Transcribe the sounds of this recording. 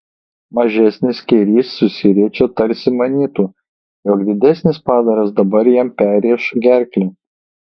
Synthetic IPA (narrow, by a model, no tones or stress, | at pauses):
mɐʒʲɛsʲnʲɪskʲɛɪɾʲiːsːʊsʲɪɾʲiɛt͡ʃʲoːt̪ɐɾʲsʲɪmɐnʲiːt̪uː | joːkd̪ʲɪd̪ʲɛsʲnʲɪspɑːd̪ɐɾɐs̬d̪ɐbɐɾjɛmpʲæːɾʲiːʃɡʲæˑɾʲklʲɪː